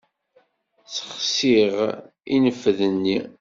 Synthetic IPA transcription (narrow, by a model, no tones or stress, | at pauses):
t͡sə̥χsiʁ | inəfðənːi